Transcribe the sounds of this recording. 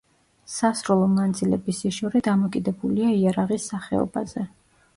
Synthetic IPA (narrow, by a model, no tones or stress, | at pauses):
sasɾulˠɔnand̪zʼilɛbisiʃɔɾɛd̪amɔkʼid̪ɛbuliaiaɾaʁisːaχɛ̰ɔ̰bazɛ